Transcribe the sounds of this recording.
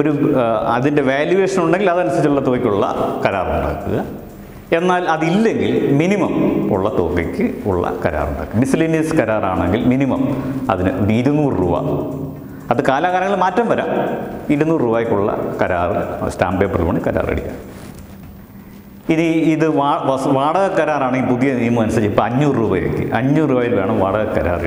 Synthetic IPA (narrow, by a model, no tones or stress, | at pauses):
o̞ɾuɐ̰ðinde̞ʋeːljuʋe̞ːʂɐnuɳɖe̞ŋɡilɐðɐnɐsɐɾit͡ɕːuɭːɐt̪oːikʲːuɭːɐ̰kɐɾaːrṵɳɖa̰ːkːṵɣɐ | e̞nːaːlɐðilːe̞ŋɡilminimɐmṵɭːɐt̪o̰ːpikʲːɨuɭːɐ̰kɐɾa̰ːrṵɳɖa̰ːkːɐmisliniɐskɐɾaːraːɳeŋɡilminimɐmɐ̰ðinɨiɾunuːrrṵːʋa̰ː | ɐðɨkaːlaɣaːɾɐŋːɐɭmaːtːɐmʋɐɾa̰ːmiɾunːuːrruːbaːjikʲːuɭːɐ̰kɐɾa̰ːrɨ̰staːmbeːpːrṵʋɐːɳɨkɐɾa̰ːrḛɽikjːa̰ː | iniiðɨʋaːʋaːɽɐɣɐkːɐɾaːraːɳeŋɡipuðijɐnimːɨmɐnɐsɐɲt͡ɕejipːoɐɲːuːrruːbɐjḛkʲːɨ̰ʔɐɲːuruːbɐːjilʋe̞ːɳɐmʋaːɽɐɣɐkːɐɾa̰ːrḛ